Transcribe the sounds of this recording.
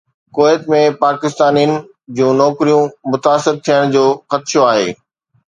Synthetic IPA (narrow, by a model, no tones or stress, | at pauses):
koːjət̪mẽpaːkɪst̪aːnijənɪ̆ | d͡ʑũːnɔːkɾijũmʊt̪aːsɪɾt̪ʰijəɽ̃d͡ʑoːxɐt̪ʃoaːɦḛː